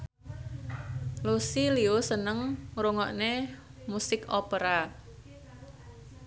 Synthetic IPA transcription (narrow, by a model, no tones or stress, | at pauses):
losiliosənəŋɾoŋɔʔnemusɪkɔpəɾa